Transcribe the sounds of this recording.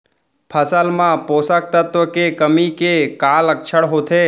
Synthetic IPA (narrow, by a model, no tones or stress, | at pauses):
pʰəsəlmãposak̚t̪ət̪ʋəkekəmikekaləkʃʰəɽɦot̪ʰe